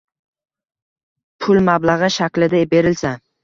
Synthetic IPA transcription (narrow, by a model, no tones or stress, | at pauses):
pʰʊlˠmablaʁɨʃakʲlɪd̪abe̞ɾɪlsa